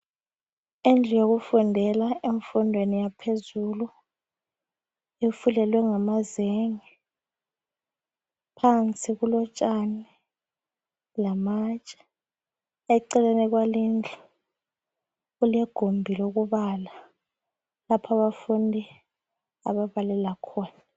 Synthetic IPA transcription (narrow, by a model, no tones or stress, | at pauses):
ind͡ɮʱijok̬ufundʱɛlaeɱfundʱwenijapʰezulu | efulɛlwɛŋamazeŋi | pʰant͡sʼikulɔt͡ʃʼani | lamat͡ʃʼɛ̥ | ɛǀɛlɛnɛk̬walind͡ɮʱʼɔ̥ | ulɛɡ̥ʱombʱilɛuɣ̬uβala | lapʰaβafundʱi | a̰ɓaβalɛlakʰɔːna